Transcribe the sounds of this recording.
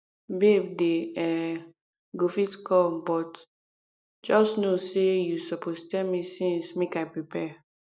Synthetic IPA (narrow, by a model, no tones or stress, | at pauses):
bebdeɛ | ɡofitkʰɔbɔt | d͡ʒɔsnosejusɔpʰostɛmisĩnsmekaɪpɹipʰɛ